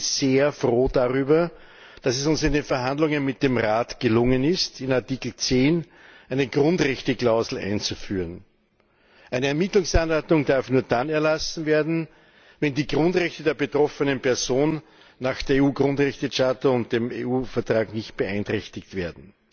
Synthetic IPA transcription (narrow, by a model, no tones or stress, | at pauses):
seːɐfʁoːdaʁyːbɐ | d̥asɛsʊnsɪndeːnfɛɐɦandlʊŋənmɪt̚d̥eːmʁaːtɡ̥əlʊŋənɪstɪnaɐtiːkl̩t͡seːn | ʔæɪnəɡ̥ʁʊntʁɛçtəklaʊzl̩æ̰ɪnt͡sufyːʁən | ʔæɪnəɛɐmɪtlʊŋsanɔɐtʊŋd̥aɐfnuːɐdanɛɐlasn̩veːɐdn̩ | vɛndiːɡ̥ʁʊntʁɛçtədeːɐbətʁ̥ɔfənənpʰɛɐzoːnː | aːxd̥eːɐeuːɡʁʊntʁɛçtəʃatəʊntd̥emeuːfɛɐtʁ̥aːknɪçt̚b̥əʔæɪntʁ̥ɛçtɪktv̥eːɐdn̩